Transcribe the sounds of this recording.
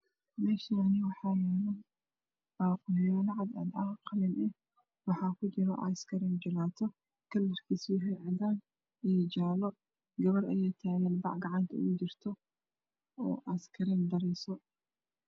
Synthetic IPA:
mɛːʃanɪwɑħɑːjɛlɐ | b̥aːqʊjaːlɐʕɑd̪ɐ̰d̪ɐhqɑlɪnɛh | wɑħɑːkʰʊt͡ʃɪɾɔ̰ʔɐ̰skʰɐɾɛːnd͡ʒɪlaːt̪ʰɔ | kʰɐlːɪrkʰisiːɦɛjʕɑd̪aːn | ijd͡ʒaːlɔ | ɡɐβɐrɐjɛjt̪ʰaːɣɛːnbɑ̰ʕɡɑʕɑnt̪ʰɐ̰ut͡ʃɪrt̪ʰɔ | ɔ̰ːʔɐskʰɐɾɛnd̪ɐɾɛsɔ

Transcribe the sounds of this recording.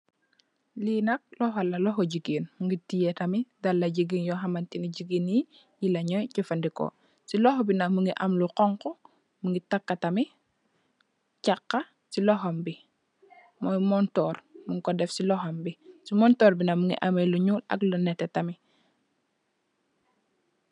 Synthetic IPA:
linɐk̚lɔɦalɐlɔɦoɟiɡiːnmuŋɡitijetɐmidalːaɟiɡinjɔɦamantiniɟiɡinji | jilaɲɔjcifandiko̰ | silɔxbinamuŋɡiʔamluqɔŋkɔ | muŋɡitakːatami | cakːa | silɔɦombi | mɔjmɔntɔrmuŋkɔdɛfsilɔɦombisimɔntɔːɾbinamuŋḭʔameluɲuːlɐ̰klunɛtɛtami

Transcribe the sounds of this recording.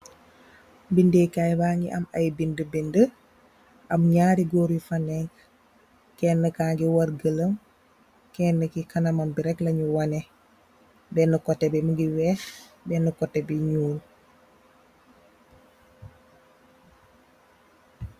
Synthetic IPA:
bindekajbaŋɡḭʔɐ̰mɐ̰jbindəbɛndə | ʔɐmɲaːɾiɡɔːɾjifɐnɛŋk | kɛːnːəkaːŋɡiwɐrɡələm | kɛnːəkikɐnɐmɐmbiɾɛklɐɲuwɐnɛ | bɛnukɔtːɛbɛmuɡiwɛːxbɛnukɔtːɛbiɲuːl

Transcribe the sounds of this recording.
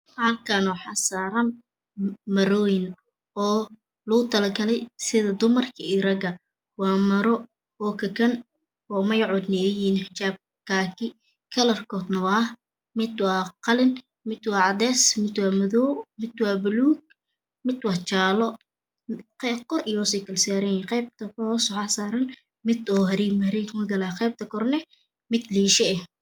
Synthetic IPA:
alkʰanħɑsaːɾɐn | mɐɾɔːjɪn | ɔː | lʊʊt̪ʰɐlɐɡɐlɛjsɪðɐd̪ʊmɐrkʰɐiɾɐɡɐ | wɑːmɐɾɔ | ɔːkʰɐkʰɐn | ɔːmɐjʕɔd̪nɪɛjiːnħɪt͡ʃaːb̚ | kʰaːkʰɪ | kʰɐlɐrkʰɔːd̪nɐwaː | mɪd̪wɑːqɑlɪn | mɪd̪wɑːʕɑd̪ɛːsmɪd̪wɑːmɐðɔwmɪd̪wɑːbʊluːɡ̚ | mɪd̪wɑħt͡ʃaːlɔ | qɛkʰɔrɪjɔːsɛkʰɐlsaːɾɐjɛqɛjb̚t̪ʰɐkɔsɔħasaːɾɐn | mɪd̪ɔːɦɐɾiːmhɐɾikmɐɡɐlaqɛjb̚t̪ʰɐkʰɔrnɛ | mɪd̪liːʃɛɛh

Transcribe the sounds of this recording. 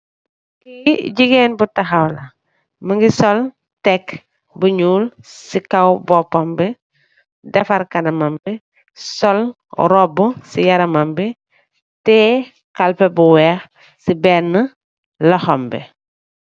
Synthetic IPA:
kiɟiɡenbutaxawlɐ | məŋɡisɔl | tɛk | buɲuːlsikawbɔpombi | dɛfɐɾkɐnɐmambi | sɔl | ɾɔbusijɐɾɐmambi | tɛː | kalpɛbuwɛːx | sibɛnːə | lɔxɔmbɛ̰

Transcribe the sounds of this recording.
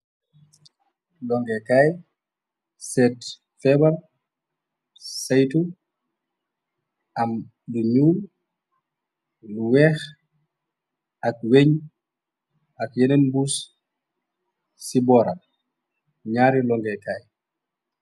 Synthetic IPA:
lɔŋɡɛkaj | sɛt | fɛbal | sajtu | ʔɐm | duɲuːl | luwɛːx | ʔɐk̚weɲ | akjɛnenbuːs | sibɔːɾa | ɲaːɾilɔŋɡɛkaːj

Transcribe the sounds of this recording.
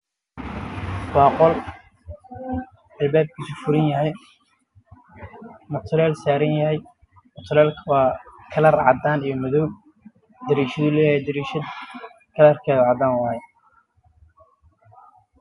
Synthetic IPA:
wɑːqɔl | ɐlbaːb̚kʰisʊfʊɾɪnjɐɦɛj | mʊt̪ʰlɛːlsaːɾɐnjɐhɛj | mʊt̪ʰlɛːlkʰɐwɑːkʰɐlɐrʕɑ̰d̪aːnijɞmʊðɔw | d̪ɐɾiːʃɐðʊlɛːjɐjɛd̪ɐɾiːʃɐ | kʰɐlɐrkʰɛːðɐʕɑd̪aːnwɑhɛ

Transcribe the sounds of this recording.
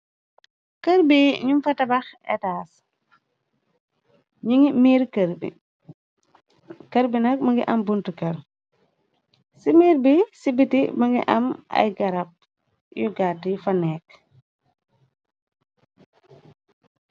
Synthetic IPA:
kəɾbiɲumfɐtɐbɐxɛ̰taːs | ɲiŋimiːɾkəɾbḭ | kɐɾbinɐk̚mɐŋɡḭʔɐmbuntukɐɾ | simiːɾbisibitimɐŋɡḭʔɐ̰mɐ̰jɡɐɾɐp̚ | jɔɡatːifɐnɛːk̚

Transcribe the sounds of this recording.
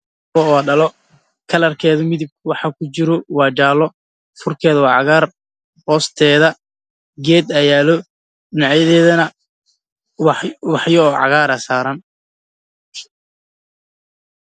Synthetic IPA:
ɔɔːɖɐlɔ | kʰɐlɐrkʰɛːðʊmɪðib̚kʰwɑħɑkʰʊt͡ʃɪɾɔwɑːd͡ʒaːlɔ | fʊrkʰɛːðɐwɑːʕɑɣaːr | hɔːst̪ʰɛːðɐ | ɡɛːd̪ɐjaːlɔ | ɪnɑʕjɐðɛːðɐnɐ | wwɑħjɔːʕɑ̰ɣaːɾɐsaːɾɐn

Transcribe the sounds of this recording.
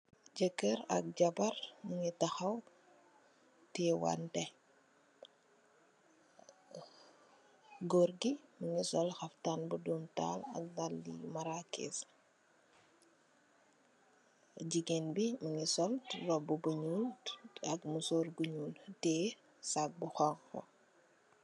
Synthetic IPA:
d͡ʒəkːəɾɐ̰k̚ɟɐbɐɾməŋitɐxɐw | tɛwa̰ntɛ | ɡoɾɡiməŋisɔlxɐftanbudumta̰ːlɐ̰k̚ɡalːḭmaɾakḭs | ɟiɡenbiməŋisɔlrɔbubəɲuːnɐkmusɔːɾɡuɲuːntɛ | sak̚buxɔŋxɔ̰

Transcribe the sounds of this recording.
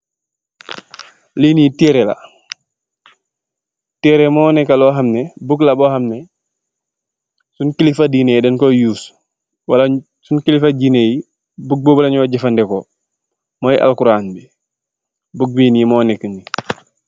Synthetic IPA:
linitɛɾɛla̰ | tɛɾɛmɔːnɛkalɔɦamnɛbuklabɔhamnɛ | sunkilifadinedɛnkɔjuːs | wala | sunkilifad͡ʒineji | buk̚boblaɲɔɟifandɛkɔ | mɔjiʔa̰lkuɾaːnbi | buk̚binimɔːnɛkəni

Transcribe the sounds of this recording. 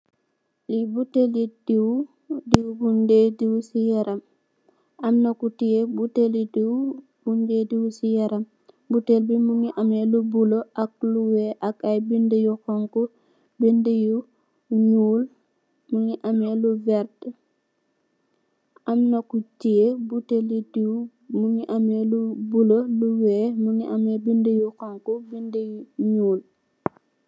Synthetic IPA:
libutelidiw | diwbundediwusijɛɾʔam | amnakutijebutelidiw | bundediwusijɛɾam | butelbimuŋiʔamelubuloak̚luweʔakajbindəjuxɔŋku | bindəju | ɲuːl | muŋiʔɐmeluvɛɾd | ʔɐmnɐkutiebutelidiw | muŋiʔɐmelubuloluwɛːmuŋiʔɐmɛbindəjuxɔŋkubindəjuɲuːl

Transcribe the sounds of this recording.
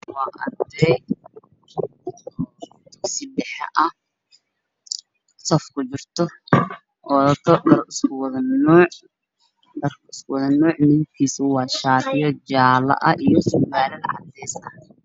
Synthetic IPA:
wɑːʔɐ̰rd̪ɛj | d̪ʊsɪɖɛħɐ̰ʔɐ | sɔfkʰʊt͡ʃɪrt̪ʰɔ | ʔɔːðɐt̪ʰɔdɐrʊskʊwðɐnɔːʕ | rʊskʊwɐðɐnɔːʕnɪɪkʰiːsʊwɑːʃaːt̪ɪjɔt͡ʃaːlɐ̰ʔɐʔijɔsʊɡaːɾɐlʕɑ̰d̪ɛjsɐ

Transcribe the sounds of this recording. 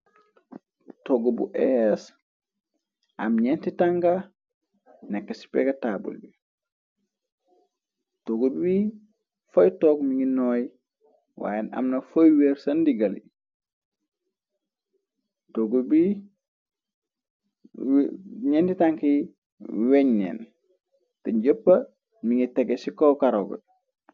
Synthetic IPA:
toɡobṵʔɛs | ʔa̰mɲentitaŋka | nɛkːasi̥pɛkatabṵlbi | toɡobwi | fojtɔːkmiŋɡinɔːj | wa̰ːjena̰mnɐfojweːɾsɐndiɡɐlḭ | toɡubi | ɲenditaŋki | weɲnḛn | teɟəpːɐ | miŋiteɡesikokaɾoɡɐ̰

